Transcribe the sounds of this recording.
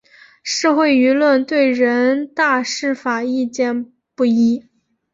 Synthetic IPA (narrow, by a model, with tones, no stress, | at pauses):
ʂ̩˥˧xwe˥˩ɪy˧˥lwə˥˧nt̪we˥˩ɪɻə˧˥nt̪a˥˧ʂɻ̩˥˩fa˨˩i˥˧t͡ɕjɛ˥˧n | pu˥˩i˥